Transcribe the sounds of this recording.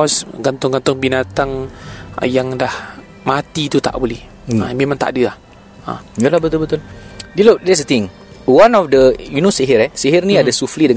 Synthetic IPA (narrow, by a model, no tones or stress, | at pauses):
ɔsɡant̪ʊŋɡant̪ʊŋbinat̪aŋ | jaŋdah | mat̪it̪ut̪a̰ʔbolɛh | əmemãŋt̪a̰ʔdəah | ə̰ɡəlahbət̪ʊlbət̪ʊldilodɛs̬ət̪ɪŋ | wanɔfdəjunoseɦiɾɛseɦərnĩadəsuflidəŋ